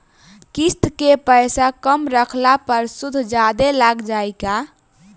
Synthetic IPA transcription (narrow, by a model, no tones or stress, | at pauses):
kist̪kepəjsakəmɾəkʰlapəɾsud̪ʱd͡ʒad̪elaɡd͡ʒajka